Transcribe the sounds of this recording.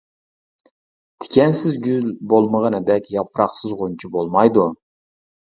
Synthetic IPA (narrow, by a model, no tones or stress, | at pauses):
t̪ʰɪ̥kʲɛnsɪzɡʲylbolˠməʁənɨd̪ɛkʲjɑpʰɾɑqsɨzʁʊnt͡ʃʰɪbolˠmɑjd̪ʊ